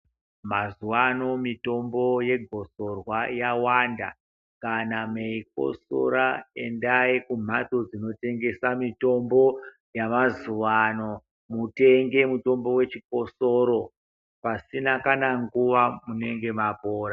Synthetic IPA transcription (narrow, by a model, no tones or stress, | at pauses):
mazuʋano̞mito̞mbo̞je̞ɡʱo̞so̞rwajawanda | kanameik̚o̞̰so̰ɾae̞ndaikum̤ato̞d͡zino̞te̞ŋɡe̞samito̞mbo̞ | jamazuʋano̞ | mute̞ŋɡe̞muto̞mbo̞we̞t͡ʃiko̞soɾo̞ | pasinakanaŋɡuʋamune̞ŋɡe̞mapoːɾa